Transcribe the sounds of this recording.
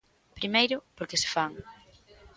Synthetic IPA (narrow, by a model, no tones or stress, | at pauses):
pɾimejɾʊpoɾkese̥faŋ